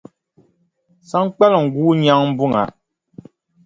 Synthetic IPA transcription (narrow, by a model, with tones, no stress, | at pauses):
sa˦ŋ˦k͡pɛ˦lŋ̩˨ɡuː˦ɲa˦ŋm̩˦bu˦ŋa̰˨˦